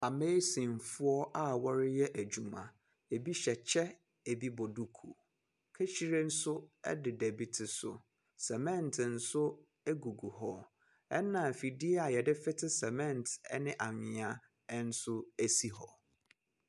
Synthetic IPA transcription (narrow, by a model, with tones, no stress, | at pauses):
a˨me˦sĩ˨n˨fʊ˦ɔ˦ʔa˦wɔ˦ɾɪ˦jɛ˦ʔæ˨d͡ʑu˨mã̰˨ | e˨bi˦ɕɛ˨t͡ɕʰɛ˦ | e˨bi˦bɔ˨du˦kʰu˨ | kʰe˦ɕi˦ɾe˦n̩˦sʊ˦ɛ̰˦dɪ˨dɛ˨bi˦tʰɪ˨sʊ̰˨ | sɛ˨mɛ̃˦n˨tʰɪ˨n̩˨sʊ˦ | e˦ɡu˨ɡu˨hɔ˦ | ɛ̰˦nã˨fi˨dɪ˦ɛ˦a˨jɛ˨dɪ˦fɪ˦tʰɪ˦sɛ˨mɛ̃˦ntɛ̰˦nɪ̃˦ʔa˨ɲɪ̃˨a˦ | n̩˦sʊ˦æ˦si˦hɔ̰˨